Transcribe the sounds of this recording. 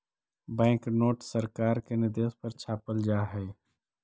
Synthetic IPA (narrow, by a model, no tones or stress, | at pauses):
bɛ̃ːŋknoːʈsəɾkaːɾkenɪɾd̪eːspəɾt͡ʃʰaːpəld͡ʒaːɦɛː